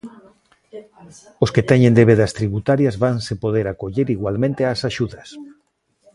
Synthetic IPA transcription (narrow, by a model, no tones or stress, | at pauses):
osket̪ɛɲẽnd̪eβ̞eðast̪ɾiβut̪aɾjazβansepoðeɾakoʎeɾiɣwalmẽnt̪easaʃuðɐs